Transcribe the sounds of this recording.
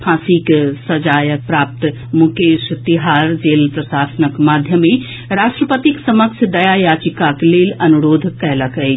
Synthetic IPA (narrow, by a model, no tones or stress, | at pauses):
pʰãːsiksəd͡ʒajəpɾap̚t̪ | mukeʃt̪iɦaɾd͡ʒelpɾəsasənəkmad̪ʱjəme | ɾaʃʈɾəpət̪iksəməkt͡ʃʰd̪ɐjajad͡ʒikaklelɐnuɾoːd̪ʱkɛɦləkəj